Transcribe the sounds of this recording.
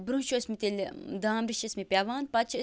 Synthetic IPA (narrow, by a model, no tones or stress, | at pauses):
bɾũːʃosmit̪ilʲd̪aːmɾiʃɐsmipʲjaːʋaːnpɐt͡ʃʰ